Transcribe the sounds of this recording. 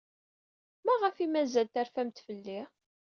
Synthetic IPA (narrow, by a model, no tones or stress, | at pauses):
mæʁəfimæzælt̪æɾfæmt̪fəlːi